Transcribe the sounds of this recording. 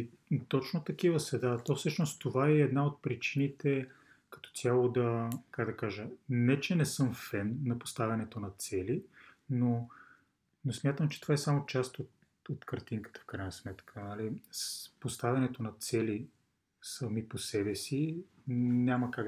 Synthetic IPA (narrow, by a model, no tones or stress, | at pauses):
t̪ɔt͡ʃnot̪ɐk̟ivəsɛd̪at̪ɔfsɤʃnost̪ovaɛɛd̪naot̪̚pɾit͡ʃinit̪ɛ | kɐ̥t̪ɔ̥sʲjalˠod̪ɐkaɡd̪ɐkaʒənɛt͡ʃɛnɛsɤmfɛnːɐpo̥st̪avʲɐnɛt̪onɐt̪sɛlino | nosmʲjat̪əmt͡ʃɛ̥t̪ovaɛsamot͡ʃast̪ot̪ | ot̪kɐɾt̪iŋkə̥t̪ə̥fkɾajnɐsmɛt̪kʰəalispost̪avʲɐnɛt̪onɐt̪sɛli | sɐmiposɛbɛsi | nʲaməkaɡ